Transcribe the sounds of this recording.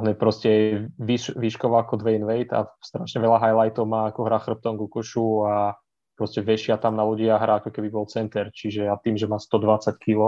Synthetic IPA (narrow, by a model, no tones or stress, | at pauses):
ɦɲɛpɾɔscɛʋiʃʋiʃkɔʋaakɔd̪ʋɛinʋɛjt̪a̰st̪ɾaʃɲɛʋɛʎaɦajlajt̪ɔʊmaːakɔɦɾaxr̩p̚t̪ɔmɡukɔʃua | pɾɔscɛʋɛʃɪat̪amnaluɟɪaɦɾaakɔkɛbibɔlt͡sɛnt̪ɛɾt͡ʃiʒɛat̪iːmʒɛmaːst̪ɔd̪ʋat͡sackʰilɔ